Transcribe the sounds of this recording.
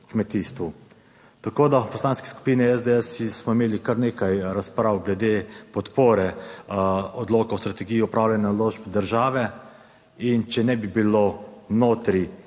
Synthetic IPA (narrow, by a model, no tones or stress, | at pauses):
kmɛt̪iːst̪ʋu | t̪akoːd̪apɔslaːnskɛ̥sku̥piːnɛɛzd̪ɛɛsismɔimeːlikaɾneːkajɾaspɾawɡlɛd̪epɔt̪poːɾɛ | ɔd̪loːkawst̪ɾat̪ɛɡiːjiɔpɾaːwlɛnaloːʒbd̪əɾʒaːʋɛ | int͡ʃɛnɛbibilonoːt̪ɾi